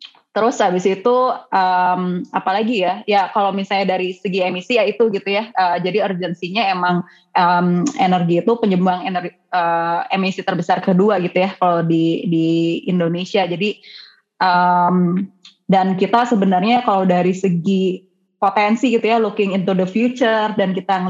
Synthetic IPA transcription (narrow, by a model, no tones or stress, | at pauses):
t̪əɾʊsabisit̪uʔəmapalaɡijajakalomisalɲadaɾisəɡiemisiait̪uɡit̪ujaəːd͡ʒadiərd͡ʒənsiɲaemaŋ | ʔəmenərɡiːt̪upəɲəbuanenər | əemisit̪ərbəsarkəduaɡit̪ujakalodidiindonesiad͡ʒadi | ʔəm | dankit̪asəbənarɲakalowdaɾisəɡi | pot̪ensiɡit̪ujalukɪŋɪnt̪udəfjut͡ʃərdankit̪a